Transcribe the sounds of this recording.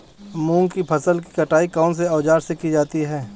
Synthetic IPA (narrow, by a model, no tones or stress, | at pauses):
mũːŋɡkipʰɐsəlki̥kɐʈaːikɔːns̬eɔːd͡ʒaːɾsekid͡ʒaːt̪iɦɛː